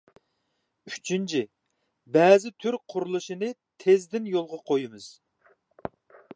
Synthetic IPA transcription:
yt͡ʃʰint͡ʃʰi | bɛːzɪt̪ʰyɾqʰʊɾlˠɨʃinɨt̪ʰezd̪ɪnjolˠʁɑqʰojimɨz̥

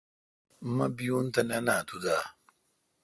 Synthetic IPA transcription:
m̩mabijun̩tananatuda

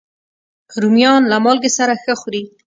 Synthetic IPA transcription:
ɾumjɑnlamɑlɡesaɾaxəxuɾi

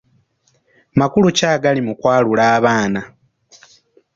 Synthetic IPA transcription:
makulucaːɡalimukwaːlulaːβaːna

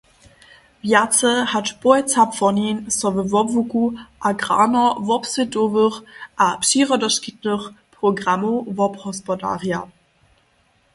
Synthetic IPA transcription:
vjat͡səhatb̥ɔɪt͡sapfɔninsɔvəvɔpvukuʔaɡʁa̰ːnɐvɔpsətoːvəχʔapʃiːʁədɐʃkitnəχpʁoɡʁamovɔphɔspɔda̰ːʁja

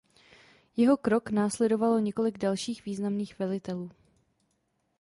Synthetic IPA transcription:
jɛɦo̞kɾo̞knaːslɛdo̞valoɲɛko̞lɪɡdalʃiːxviːznamniːxvɛlɪt̪ɛluː

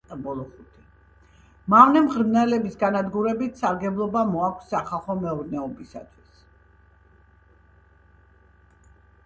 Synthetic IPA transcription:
bɔlˠɔχut̪ʰi | mavnɛmʁɾmnɛlɛbisɡanad̪ɡuɾɛbit̪ʰsaɾɡɛblˠɔbamɔakʷʰsːaχalˠχɔmɛuɾnɛɔbisa̰t̪ʰwis

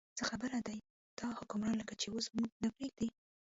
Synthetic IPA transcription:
t͡səxabəɾad̪aj | d̪̥ɑhʊkʊmɾɑnləkat͡ʃeosmuɡ̚d̪apɾeɡ̚d̪i

